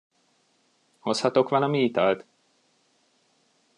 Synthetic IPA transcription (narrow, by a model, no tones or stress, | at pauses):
ho̞shɒt̪o̞kʋɒlɒmiit̪ɒlt̪